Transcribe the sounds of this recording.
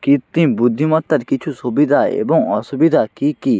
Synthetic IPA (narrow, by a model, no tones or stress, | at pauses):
kit̪ːĩbud̪ʱːimɐt̪ːɐɾkit͡ʃʰusubid̪ʱaːḛbɐ̃ŋɔsubid̪ʱakikiː